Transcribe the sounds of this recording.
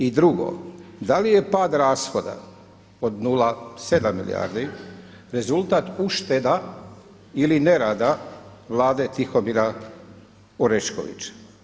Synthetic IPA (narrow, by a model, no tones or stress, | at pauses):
id̪ɾuɡo̞̰d̪alije̞paːd̪ɾaːsxo̞d̪a̰ | od̪nulˠase̞d̪amːḭlḭja̰ːɾd̪i | ɾe̞zulˠt̪aːt̪uʃt̪ed̪a | iline̞ɾaːd̪aʋlˠaːd̪e̞t̪ixo̞miɾa | oɾeʃko̞̰ʋḭt͡ʃḁ